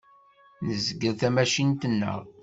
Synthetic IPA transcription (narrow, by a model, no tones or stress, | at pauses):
nəzəɡəθæmæʃint̪ənːə̰ʁ